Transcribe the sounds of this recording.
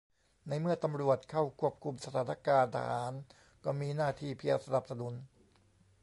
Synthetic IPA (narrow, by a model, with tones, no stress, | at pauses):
na˧jmɯ˥˩ɐt̪a˧mɾu˨˩ət̪̚kʰa˥˩wkʰu˥˩əp̚kʰu˧msa˧t̪ʰaː˩˦na˥˧kaː˧nt̪ʰa̰ː˧haː˩˦n | kɔː˥˩miː˧naː˥˩t̪ʰiː˥˩pʰi˧ə˧sa˧na˨˩p̚sa˧nu˨˩˦n